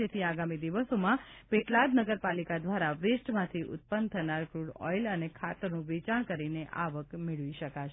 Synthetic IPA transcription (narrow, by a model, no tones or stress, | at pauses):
et̪ʰiaɡamid̪iʋəsomãpeʈlad̪nəɡəɾpalikad̪ʋaɾaʋesʈmãt̪ʰiʔʊ̰t̪̚pənt̪ʰənaɾɡɾuɽɔ̰jlənekʰat̪əɾnũʋet͡ʃaɽkəɾineʔaʋəkmeɭʋiʃəkaʃ